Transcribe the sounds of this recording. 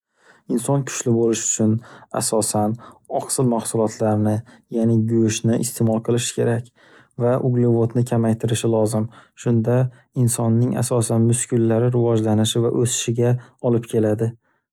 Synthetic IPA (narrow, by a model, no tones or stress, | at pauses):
ɪnsɒnkʲʰʊ̥ʃlɪbolɪʃʊ̥t͡ʃʰʊna̰sɒsanɒqsɪlmahsʊlˠɒt̪ʰlaɾnɪ | janɪɡʊjʊʃnɪʔɪst̪ʰe̞mɒlˠqʰɨlˠɪʃɪ̥kʲʰe̞ɾakʲ | vaʔʊɡlivot̪nɪkʲʰamajt̪ʰɪɾɪʃɪlˠɒzɪmʃʊnd̪a | ɪnsɒnːɪŋa̰sɒsanmʊskʰʲʊlːaɾɪɾɪvɒd͡ʒlanɪʃɪva̰ʔɵsɪ̥ʃɪɡʲaɒlɪpkʲʰe̞lad̪ɪ